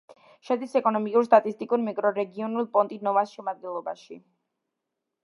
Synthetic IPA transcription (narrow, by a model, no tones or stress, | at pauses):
ʃɛd̪isɛkʼɔnɔmikʼuɾst̪ʼat̪ʼist̪ʼikʼuɾmikʼɾɔɾɛɡiɔnulˠpʼɔnt̪ʼinɔvasʃɛmad̪̚ɡɛlˠɔbaʃḭ